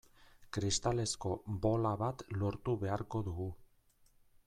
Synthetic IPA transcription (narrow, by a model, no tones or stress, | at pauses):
kɾist̪ale̞sko̞bo̞laβat̪lo̞ɾt̪uβe̞aɾko̞ðuɣu